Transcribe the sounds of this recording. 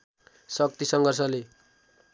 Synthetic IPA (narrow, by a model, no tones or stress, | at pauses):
sʌk̚t̪isʌŋɡʌrsʌle